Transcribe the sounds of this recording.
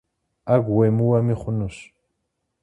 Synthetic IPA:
aɡwemʊwamɪχʊnʊʃ

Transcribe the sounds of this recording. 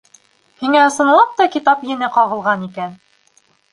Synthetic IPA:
hiŋæɤ̆sɤ̆nlˠɑp̚t̪ɑkit̪ɑpjɘ̆nɘqɑʁɤ̆lˠʁɑnikæn

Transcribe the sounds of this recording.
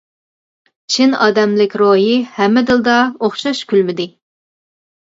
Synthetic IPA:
t͡ʃʰinɑːd̪ɛmlɪkʲɾoɦihɛmːɪd̪ɨlˠd̪ɑoχʃɑʃkʲʰylmɪd̪ɪ

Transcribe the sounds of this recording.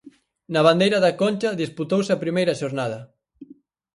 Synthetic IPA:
nɐβ̞and̪ejɾɐðɐkonʲt͡ʃɐðisput̪owsɐpɾimejɾɐʃoɾnað̞ɐ

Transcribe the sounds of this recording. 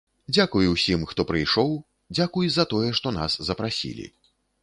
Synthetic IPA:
d͡zʲakujuwsʲimxt̪ɔpɾɨjʂɔw | d͡zʲakujzɐt̪ɔjɛʂt̪ɔna̰szɐpɾasʲḭlʲḭ

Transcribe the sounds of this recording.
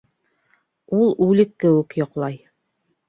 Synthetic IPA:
ulˠʉlɘkːɘ̆wɘkjŏqlˠɑj

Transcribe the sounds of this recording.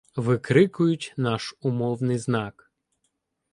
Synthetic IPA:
ʋɪkɾɪkʊjʊtʲnɑʃʊmɔwnɪjznɑk

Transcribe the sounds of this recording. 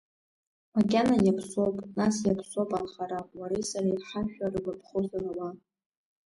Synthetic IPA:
makʲanajapʰso̞wpʼnasjapʰsowpʼanχaɾawaɾisaɾaiħaʃᶣarɨlapʰχozalawa

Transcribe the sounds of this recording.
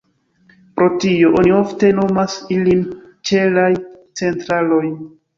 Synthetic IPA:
pɾo̞tio̞ʔonio̞fte̞no̞masilin | t͡ʃe̞laj | t͡se̞ntɾalo̞j

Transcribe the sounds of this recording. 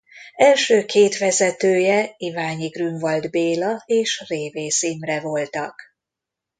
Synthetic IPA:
ɛlʃøːkʰeːt̪ʋɛzɛt̪øːjɛivaːɲiɡryɱvɒld̪beːlɒeːʃreːveːsiːmrɛvo̞lt̪ɒk

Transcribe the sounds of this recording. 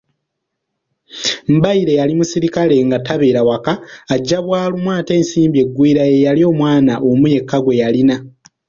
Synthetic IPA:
m̩baiɾe̞jalimusiɾikale̞ŋɡataβe̞ːɾawakaːɟːaβwaːlumwaːte̞ːnsiːmbje̞ɡːwiːɾae̞jalio̞ːmwaːnaʔomuje̞kːaɡwe̞jalina

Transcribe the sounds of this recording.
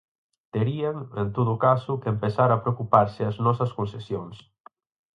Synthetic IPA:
t̪eɾiaŋent̪oðʊkasʊkempesaɾɐpɾeokupaɾsɪɐznɔsɐskõnsesjoŋs

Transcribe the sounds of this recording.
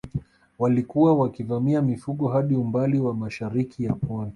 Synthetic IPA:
walikuwawakivamiamifuɠɔɦaɗiumbaliwamaʃaɾikʰijapɔni

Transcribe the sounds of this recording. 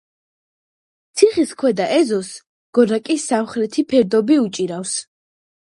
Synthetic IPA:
t̪sʰiχiskʰwɛd̪aʔɛzɔs | ɡ̥ɔɾakʼisːamχɾɛt̪ʰipʰɛɾd̪ɔbiut͡ʃʼiɾafs

